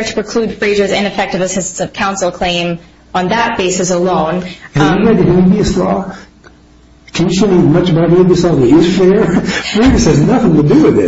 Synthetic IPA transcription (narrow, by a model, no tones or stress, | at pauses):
tʰə̥pʰɹ̥ɨkʰl̥ud̥fɹeɪd͡ʒə˞zɪ̃nɨfɛk̚tɨvɨz̥ɨstsʌv̥kʰãʊ̃nsl̩ˠkʰl̥ẽɪ̃m | ə̃nðət̚b̥eɪsɨsəlõʊ̃nʰɨ̃jɨɡad̚ɨhɪbiɨslɔ | kʰɨ̃njɨsõnĩmʌt͡ʃəbaʊɾbiɨslɔðɨɪz̥fɛɹfɹeɪd͡ʒəshɨznʌθɪ̃ŋtɨdɨwɪðɪ̰t̚